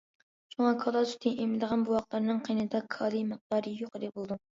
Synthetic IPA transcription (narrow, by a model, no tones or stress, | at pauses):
t͡ʃʰoŋɑkʰɑlˠɑsy̥t̪ʰɪnʔemɪd̪əʁɑnbuwɑχqt̪lˠɑɾnɨŋqʰijnɨd̪ɑkʰɑːlˠɨmɨq̚d̪ɑɾɨjoqed̪ɛbolˠd̪u